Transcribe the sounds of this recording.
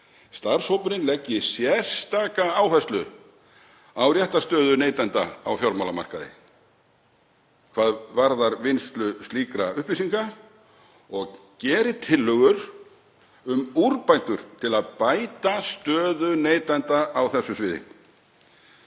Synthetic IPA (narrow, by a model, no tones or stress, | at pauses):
st̪aɾ̥showpʏɾɪnlɛcːɪsjɛr̥st̪aːkaawfɛst̪lʏ | awrjɛht̪ast̪œːðʏneːjt̪ant̪a̰awfjɔɾmawlama̰r̥ka̰ðɪ̰ | kʰv̥aːðvaɾðaɾvɪnst̪lʏst̪iːkɾaʏhplisiŋka | ɔɣcɛːɾɪt̪ʰɪlːœɣʏɾ | ʏmuɾpaj̪t̪ʏɾ̥t̪ʰɪlaðpajt̪ast̪œːðʏneːjt̪ant̪aːwθɛsːʏsvɪːðɪ̰